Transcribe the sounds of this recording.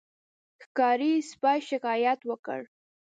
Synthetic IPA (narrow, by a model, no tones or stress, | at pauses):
xkɑɾispɑjʃɪkɑjat̪wəkə̰ɽ